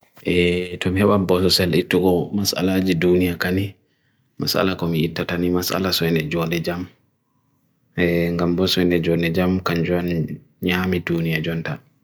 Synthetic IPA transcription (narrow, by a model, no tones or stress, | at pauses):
ʔɛtɔmihɛɓanbɔsɔsɛlitːuɡɔmasa̰lad͡ʒidunijakani | ma̰sa̰lakɔmiitːatanimasʔa̰lasɔjnɛd͡ʒɔndɛd͡ʒam | ɛŋɡambɔsɔjnɛd͡ʒɔndɛd͡ʒamkaɲd͡ʒuan | ɲaːmidunijad͡ʒɔnta